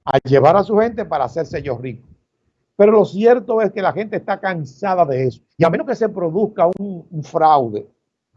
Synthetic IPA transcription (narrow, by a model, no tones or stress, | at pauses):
a̰ʝe̞βaɾasuhe̞nt̪̬e̞paɾaːse̞ɾseʝo̞sriko | pe̞ɾo̞lo̞sje̞ɾt̪o̞e̞ske̞laxe̞nt̪eːst̪akansaðaðe̞eso̥iamenoske̞se̞pɾo̞ðuskauŋɱfɾawðe̞